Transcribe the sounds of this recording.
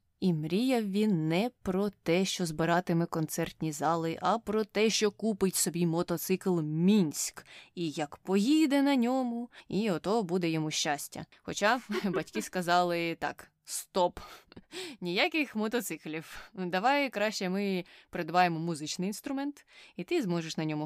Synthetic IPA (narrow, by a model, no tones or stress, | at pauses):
imɾʲijɐʋʲinːɛpɾɔt̪ɛʃt͡ʃɔzbɪɾɑt̪ɪmɛkɔnt̪sɛrt̪ʲnʲizɑlˠɪʔɐpɾɔt̪ɛʃt͡ʃɔkupɪtʲsɔbʲimɔt̪ɔt̪sɪklˠmʲinʲsʲkijɐkpɔjid̪ɛnɐnʲɔmʊiɔt̪ɔɔbud̪ɛjɔmuʃʲt͡ʃasʲtʲɐ̰ | xɔt͡ʃabɐtʲkʲiskɐzɑlˠɪt̪ɑ̰k | st̪ɔp | nʲijakɪxmɔt̪ɔt̪sɪklʲiwd̪ɐʋɑjkɾɑʃt͡ʃɛmɪpeɾed̪ɐʋɑjemɔmuzɪt͡ʃnɪjinst̪ɾʊmɛnt̪it̪ɪzmɔʒeʃnɐnʲɔmʊ